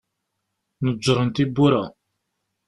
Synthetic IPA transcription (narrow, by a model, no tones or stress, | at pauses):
nəʒːɾˤənt̪ibːuɾæ